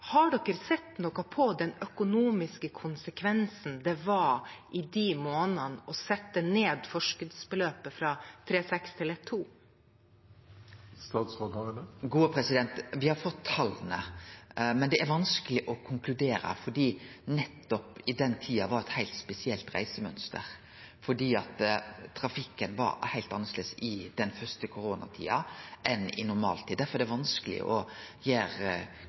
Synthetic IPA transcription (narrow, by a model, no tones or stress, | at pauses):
hɑɖɔkːəɾsɛt̪ːnɔkɑpʰɔd̪ɛnœkʊnuːmɪskəkʰʊnsəkʰʋɛnsn̩d̪ɛʋɑɾʔɪd̪imoːnənɔsɛt̪ːəneːd̪fɔʂkəd̪sbəløːpəfɾɑt̪ʰɾeːsɛkst̪ʰɪlɛt̪ʰːuː | st̪ɑːt̪sɔkɑənəɡuːəpʰɾɛsɪd̪ɛnt̪ʋɪhɑɾfɔt̪ʰːɑlnə̰ | mɛnd̪ɛʔæɾʋɑnskəlɪʔɔkʰʊŋklʉd̪eːɾə̰fɔɖiːnɛt̪ːɔpɪd̪ɛnt̪ʰiːɑʋɑɾɛt̪hæɪlt̪spɛsɪɛlt̪ɾæ̰ɪsəmœnst̪ə̰ɾ | fɔɖiːɑt̪t̪ʰɾɑfɪkːənʋɑ̰ɾhæɪlt̪ɑnəsləsɪd̪ɛnfœst̪əkʰʊɾoːnɑ̰t̪ʰḭːɑʔɛnɪ̰nʊɾmɑ̰ːlt̪ʰiːd̪d̪æɾfɔɾɛd̪ɛʋɑnskəlɪ̰ʔɔjeːɾ